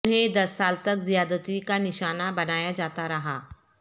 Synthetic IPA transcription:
nɦẽd̪ɐsːaːlt̪ɐkzijaːd̪ət̪ikanɪʃaːnabɐnaːjad͡ʒaːt̪aɾɐɦaː

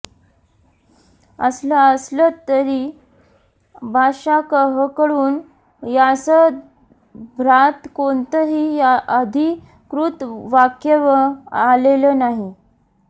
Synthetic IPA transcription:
ə̰sləəslət̪əɾi | bʱaʂakəɦəkəɽuːn | jasə | bʱɾat̪kont̪əɦiːaʔəd̪ʱi | kɾut̪ʋakjəʋəalelənaɦi

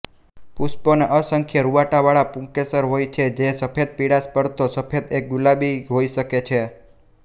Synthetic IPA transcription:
pusponaʔəsəŋkʰjəɾuʋaʈaʋaɭapũŋkesəɾɦojt͡ʃʰed͡ʒesəpʰed̪̚piɽaspəɾt̪osəpʰed̪ek̚ɡulabiɦojʃəket͡ʃʰe

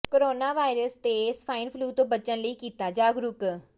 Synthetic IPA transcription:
koɾoːnaːʋaːɪɾəst̪espʰaːɪnpʰluːt̪õːbəːt͡ʃənləiːkiːt̪aːd͡ʒaːɡɾʊk

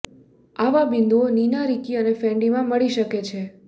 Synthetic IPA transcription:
aʋabɪ̃nd̪uoninaɾikiənefɛ̃ɳɖimãməɭiʃəket͡ʃʰe

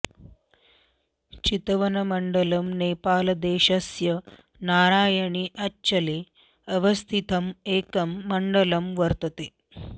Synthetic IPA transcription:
t͡ʃit̪ɐʋɐnɐmɐɳɖɐlɐmneːpaːlɐd̪eːʃɐsjɐ | naːɾaːjɐɳiʔɐt͡ʃːɐleː | ɐʋɐst̪ʰit̪ʰɐmeːkɐmːɐɳɖɐlɐmʋɐɾt̪ɐt̪eː

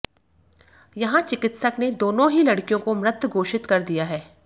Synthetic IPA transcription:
jɐɦãt͡ʃɪkɪt̪səkned̪oːnõɦilɐɽkijõkomɾɪt̪ːɡʱoːʃɪt̪kɐɾd̪ijaɦɛː

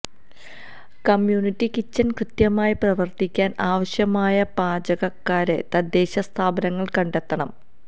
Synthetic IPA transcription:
kɐmjuːnitːikit͡ɕːɐnkrɨt̪jɐmaːjiprɐʋɐrt̪ikʲːaːnaːʋɐɕjɐmaːjɐpaːd͡ʑɐɣɐkːaːɾet̪ɐd̪ːe̞ːɕɐst̪ʰaːbɐnɐŋːɐɭkɐɳɖe̞t̪ːɐɳɐm

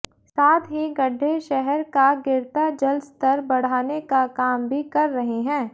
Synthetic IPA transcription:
saːt̪ɦiɡɐɖʱːeʃɛɦɛɾkaɡɪɾt̪ad͡ʒɐlst̪ɐɾbɐɽ̤aːnekakaːmbʱikɐɾːɐɦeɦɛ̃ː

